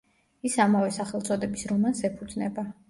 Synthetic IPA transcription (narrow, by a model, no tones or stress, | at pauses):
isamavɛsaχɛlˠt̪sʼɔd̪ɛbisɾɔmansɛpʰud̪znɛba